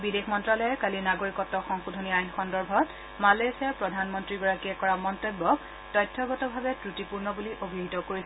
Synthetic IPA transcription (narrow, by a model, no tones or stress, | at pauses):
bidexmɔntɹalɔjɛkalinaɡoɹikɔtːɔxɔŋxudʱoniajnxɔndɔɹbʱɔt | malesiapɹɔdʱanmɔntɹiɡɔɹakiɛkɔɹamɔntobːɔk | tɔjtʰːɔɡɔtɔbʱabɛtɹutipuɹnɔbuliʔobʱiɦitɔkoɹisɛ